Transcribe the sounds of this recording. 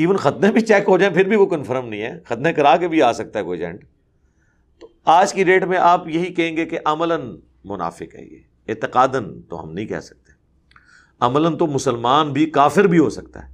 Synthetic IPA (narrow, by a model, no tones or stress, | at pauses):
iːʋənxɐt̪nebʱit͡ʃɛːkɦod͡ʒaːẽpʰɪɾbʱiʋokɐnfʰəɾəmnɐɦĩɦɛːxɐt̪nẽkɐɾaːkebʱiaːsɐk̚t̪aɦɛkoːid͡ʒɛ̰̃ːɳɖ | t̪o | aːd͡ʒkiɖeːʈmẽʔaːpjɐɦikɐɦẽːŋɡekeʔɐmələn | mʊna̰ːfɪkɦɛ̰ːjḛː | ɪːt̪ɪqaːd̪ənt̪o̰ɦɐ̰mnɐɦĩkɛ̰ːsɐ̥k̚t̪e | ɐmələnt̪omʊsəlmaːnbʱikaːfɪɾbʱiɦoːsɐk̚t̪a̰ɦɛː